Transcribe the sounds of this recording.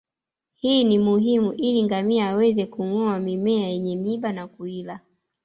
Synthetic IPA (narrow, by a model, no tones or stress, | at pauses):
hiːnimuɦimuʔiliŋɡamiaːwɛzɛkuŋɔamimɛajɛɲɛmiɓanakuila